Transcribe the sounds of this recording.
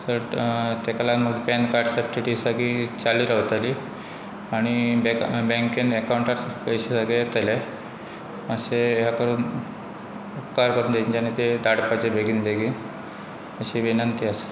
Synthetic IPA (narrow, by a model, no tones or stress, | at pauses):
səɾt̪ekalaməɡ̪pɛ̃nd̪kaɾɖsəbʈiʈiːsakiːt͡saliːɾəʋt̪aliː | aɽ̃ibbɛŋkenekawuɳʈaɾkəjɕesəɡet̪əle | əseɦjakəɾuːn | upkaɾkəɾuːnd̪eɲt͡ɕanit̪ed̪aɽpat͡sebʱeɡiːnbʱeɡiːn | əɕiʋinənt̪iəse̥